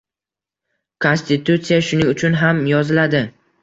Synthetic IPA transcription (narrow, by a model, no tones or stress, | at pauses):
kʰo̞nsʲt̪ɪt̪ut̪sijaʃʊnɪŋʊt͡ʃʰʊnɦamjɒzɪlad̪ɪ